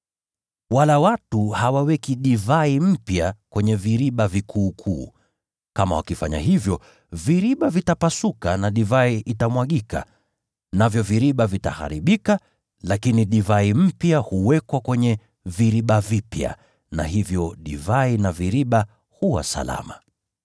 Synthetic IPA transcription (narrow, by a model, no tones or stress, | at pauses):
walawatuhawawɛkiɗivaim̩pjakwɛɲɛviɾiɓavikʰuːkʰuː | kama̰wa̰kifaɲa̰ɦivjɔ | viɾiɓavitapasukanaɗivaiʔitamwaɠika̰ | navjɔviɾiɓavita̰ha̰ɾiɓika | lakiniɗivaim̩pjahuwɛkwakwɛɲɛ | viɾiɓavipja̰ | na̰ɦivjɔɗivainaviɾiɓa | huwa̰sa̰la̰ma̰